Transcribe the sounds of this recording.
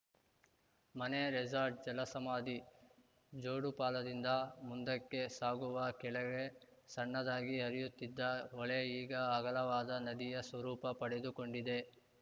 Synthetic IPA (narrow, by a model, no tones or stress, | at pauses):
mɐneɾɛd͡ʒaːɾʈ̚d͡ʒɐlɐsɐmaːd̪i | d͡ʒoːɽupaːlɐd̪ind̪ɐmund̪ɐkːe̞saːɡuʋɐkɛɭɐʋe | sɐɳːɐd̪aːɡiɦɐɾijut̪ːid̪ːɐɔɭeiːɡɐːɡɐlɐʋaːd̪ɐnɐd̪ijɐsʋɐɾuːpɐpɐɽed̪uko̞ɳɖid̪e̞